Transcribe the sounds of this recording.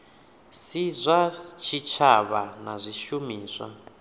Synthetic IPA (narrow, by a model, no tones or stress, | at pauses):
sizʷat͡ʃʰit͡ʃʰaβanazʷiʃumiːsʷa̰